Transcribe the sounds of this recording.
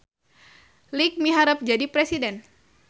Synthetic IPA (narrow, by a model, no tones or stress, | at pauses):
lik̚miɦaɾəp̚d͡ʒadipɾesidɛn